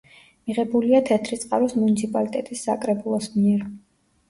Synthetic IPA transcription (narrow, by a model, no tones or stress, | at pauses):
miʁɛbuliat̪ʰɛt̪ʰɾit̪sʼqʼa̰ɾɔsmunit̪sʰipʼalit̪ʼɛt̪ʼisːa̰kʼɾɛbulˠɔsmiɛɾ